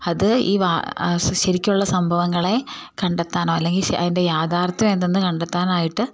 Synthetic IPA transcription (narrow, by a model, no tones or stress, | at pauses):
ɐðɨḭːʋaːɕɐɾikʲːuɭːɐsɐmbʱɐʋɐŋːɐɭe̞kɐɳɖet̪ːaːnoːɐlːe̞ŋɡilɐ̰ðinde̞jaːd̪ʰʱaːrt̪ʋɐmend̪enːɨkɐɳɖet̪ːaːnaːjiʈːɨ